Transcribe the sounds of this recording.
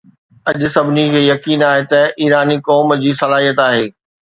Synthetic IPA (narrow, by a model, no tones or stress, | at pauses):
ɐʄʊsɐbʱɪnikʰeːjɐkiːnaːɦet̪ɐʔiːɾaːnikɔːmd͡ʑiːsɐlaːɦijət̪aːɦeː